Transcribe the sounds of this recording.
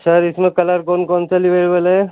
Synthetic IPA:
sɐɾɪsmẽkɐləɾkoːnkɔːnsaliʋeːɽbəlɦɛ

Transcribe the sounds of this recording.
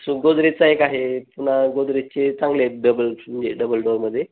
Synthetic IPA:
suɡod̪ɾet͡saekaɦepunaɡod̪ɾet͡ɕet͡sãŋɡleɖəbəlməɲd͡ʑeɖəbəlɖoɾməd̪ʱːje

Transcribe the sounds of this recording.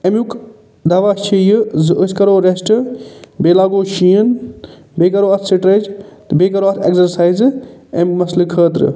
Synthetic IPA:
emjuk | d̪ɐːʋaːt͡ʃʰijzskɐɾoːɾesʈbeːlaːɡoːʃiːən | beːkɐɾoːɐt̪ʰsiʈɾɐd͡ʒ̪ | beːkɐɾoɐt̪ʰeksɐɾsaːizemmɐslɨkʰəːt̪ɾɨ̰

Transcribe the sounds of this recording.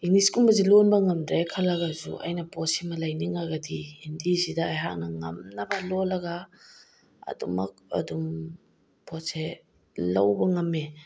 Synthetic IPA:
iŋliskunbɐzilonbɐŋɐmdɾejkʰɐlɐɡazṵʔɐ̰jnɐpɔsimɐlɐjniŋaɡɐdiendisidɐːjɦak̚nɐŋɐ̰mnɐbɐlolɐɡa | ɐ̰dumɐ̰k̚ɐ̰dum | pʰɔtse | lɐwbɐŋɐmːe

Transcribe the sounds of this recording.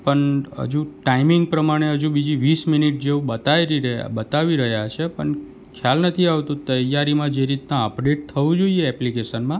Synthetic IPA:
pəɳə̰d͡ʒũʈaimiŋɡ̚pɾəmaɽ̃eɦəd͡ʒũbid͡ʒiʋisminiʈ̚d͡ʒeũbət̪aiɾiɾ̰bət̪aʋiɾəɦjat͡ʃʰepəɳ | kʰjalnət̪ʰiaʋt̪ũt̪əjːaɾimãd͡ʒeɾit̪nãəpɖeʈ̚t̪ʰəʋũd͡ʒoieɛplikeʃənmã

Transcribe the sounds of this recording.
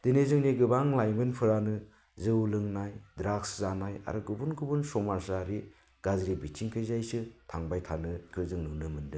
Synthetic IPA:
d̥ɯnezɯŋniɡɯbaŋlajmɯnpʰɯɾanɯ | zɯwlɯŋnajdɾakszanaja̰ɾɯɡɯbunɡubunsɔmaɾsaɾi | ɡ̥azɾibit͡ʃʰiŋkʰɯjzajsɯtʰaŋbajtʰanɯkʰɯzɯŋnunɯmɯndɯ

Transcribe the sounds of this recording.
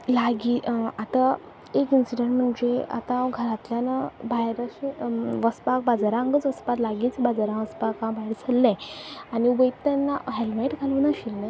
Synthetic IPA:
laɡiat̪a | ekinsiɖəɳʈm̤əɳd͡ʑea̰t̪ãɡʱəɾat̪ljanabajɾaɕẽʋəspak̚bad͡zaɾãəŋɡət͡sʋəspat̪laɡit͡sĩbad͡zaɾãʋəspakãbʱajɾt͡sʰəlːɛ̃añiubəjit̪ːanːaɦelmeʈɡʱaluːnaɕilnẽ

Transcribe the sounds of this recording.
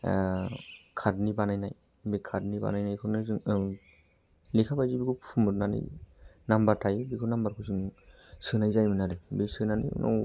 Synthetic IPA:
kʰadnibanajnaj | bekʰadniba̰najnajkʰɯnɯzɯŋ | likʰapajzibikʰuumɯdnanḭ | nambaɾtʰajbikʰunambaɾkʰɔjsɯŋ | sɯnajzajminaɾɯbisɯnanḭnɔ̰w

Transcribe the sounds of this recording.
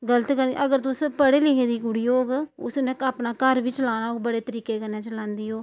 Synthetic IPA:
ɡələt̪kəɾ̰ʔəɡəɾt̪ʊspəɽeːlɪɦeːd̪iːʊɽioːɡʊ̰snẽːkapnaːkəɾʋiːt͡ʃlaːnaːoːɡbəɽeːt̪əɾiːkeːkənːeːt͡ʃəlãːnd̪iːoː

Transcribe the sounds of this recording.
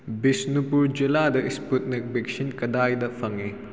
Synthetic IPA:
bisnupuɾd͡ʒiladɐʔisput̚nek̚bik̚sinkɐdajdɐpʰɐŋi

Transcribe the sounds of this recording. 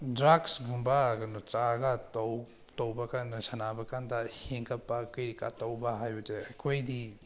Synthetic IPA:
dɾaɡsɡumbaɡɐnut͡ʃaɡatɐw | tɐwbɐkandɐsɐnabɐkandɐheŋkʰɐpːakɯjɾika̰tɐwbaɦajbɐteɐkʰojdi

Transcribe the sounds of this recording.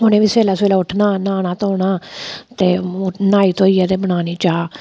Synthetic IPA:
ɦʊñẽːʋiːseːlaːseːlaːʊʈʰnaːnaːñaːt̪oːɳ̃aːt̪eːnaːiːt̪oːiːjaːt̪eːbəɽ̃aːniːt͡ʃaː

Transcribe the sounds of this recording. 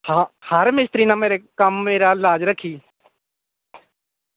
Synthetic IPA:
hãhəɾmɪst̪ɾiːnãːmeːɾeːkəmːeːɾaːlaːd͡ʒɾəkʰːiː

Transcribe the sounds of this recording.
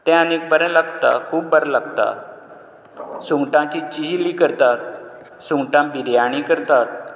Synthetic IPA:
t̪ɛ̃anek̚bəɾəlaɡt̪a̰kʰuːp̚bəɾlaɡt̪a̰ | suŋɡʈãt͡ɕit͡ɕiɦlikəɾt̪at̪̚ | suŋʈãbiɾjaɽ̃ĩkəɾt̪at̪̚

